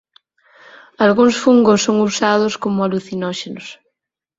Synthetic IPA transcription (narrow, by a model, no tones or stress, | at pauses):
alɣuŋsfuŋɡosːoŋusað̞ʊskomʊaluθinɔʃenʊs